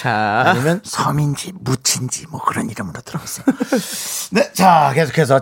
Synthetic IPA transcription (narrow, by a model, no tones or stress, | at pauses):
aaɲimjʌnsʰʌmind͡ʑimut͡ɕʰind͡ʑimwʌkɯɾʌniɾɯmɯɾot͈ɯɾʌɡas͈ʌj | ne̞t͡ɕakesʰkʰes̬ʰʌ